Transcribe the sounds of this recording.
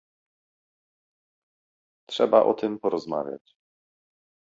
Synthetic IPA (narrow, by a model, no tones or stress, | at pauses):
tʂɛbaʔɔ̰t̪ɘmpɔɾɔzma̰vʲja̰t͡ɕ